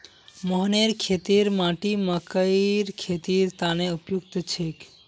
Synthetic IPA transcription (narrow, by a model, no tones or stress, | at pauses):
məɦneɾkʰet̪iɾmãʈiməkəjɾkʰet̪iɾt̪aneupjuk̚t̪t͡ʃʰek